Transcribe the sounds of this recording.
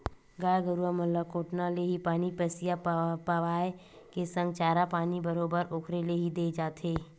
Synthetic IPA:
ɡaːjɡəɾuaməlləkoːʈnaleɦipaːnipəsijapaʋaːe | kesə̃ŋɡt͡ʃaːɾapaːnibəɾoːbəɾoːkʰɾeleɦid̪eːd͡ʒaːt̪ʰɦeː

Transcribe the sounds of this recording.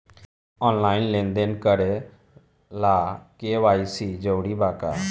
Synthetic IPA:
ɔːnlaːɪnlẽːnd̪enkəɾe | laːkeːʋaːisiːd͡ʒəːɽiːbaːka̰ː

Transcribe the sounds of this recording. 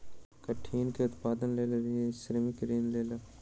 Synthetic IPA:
kɐʈʰiːnkeʊt̪paːd̪ənleːleɾiesɾmikɪɾiːnleːlɐ

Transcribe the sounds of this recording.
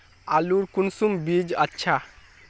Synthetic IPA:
aluɾkunsumbid͡ʒatːʃʰa

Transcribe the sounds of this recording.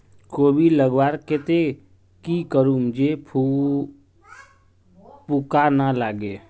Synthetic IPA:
koːbʱiləɡwaːɾket̪e | kikəɾumd͡ʒepʰu | pukanalaːɡe

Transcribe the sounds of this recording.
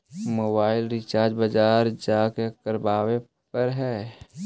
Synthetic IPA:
moːbaːɪlɾɪt͡ʃaːɾd͡ʒbəd͡ʒaːɾd͡ʒakekəɾbaːwe | pəɾɦɛː

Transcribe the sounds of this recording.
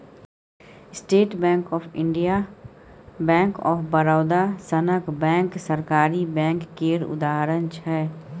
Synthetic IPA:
sʈeːʈbɛ̃ːŋkɔːpʰɪ̃ɳɖija | bɛ̃ːŋkɔ̰ːfbəɾaːd̪asənəkbɛ̃ːŋksəɾkaːɾibɛ̃ːŋkːeːɾʊ̰d̪aːɦəɾənt͡ʃʰɛː

